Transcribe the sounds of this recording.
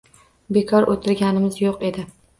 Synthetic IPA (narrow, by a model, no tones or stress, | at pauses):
be̞kʰɒɾʔot̪ʰɪɾɡʲanɪmɪzjoqe̞d̪ɪ